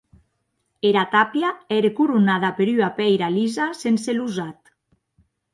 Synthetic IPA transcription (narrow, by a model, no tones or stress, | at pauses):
eɾat̪apjaɛɾekuɾunaðapeɾyapɛjɾalizasenseluzat̪